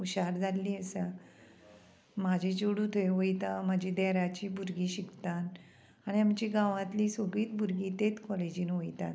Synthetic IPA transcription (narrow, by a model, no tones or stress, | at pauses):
uɕaɾd͡zʱalːiːəsa | mad͡ʑʱit͡ɕoɽut̪ʰəjʋojt̪amad͡ʑʱid̪ɛɾat͡ɕibʱuɾɡiɕikt̪an | aɽ̃iamt͡ɕiɡãʋãt̪lisəɡiːt̪̚bʱuɾɡit̪et̪kɔled͡ʑiːnʋojt̪a̰t̪